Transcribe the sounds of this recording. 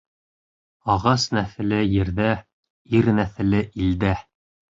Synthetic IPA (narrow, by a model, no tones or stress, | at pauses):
ɑʁɑsnæθɘ̆lɘjɘ̆ɾðæ | iɾnæθɘ̆lɘʔild̪æ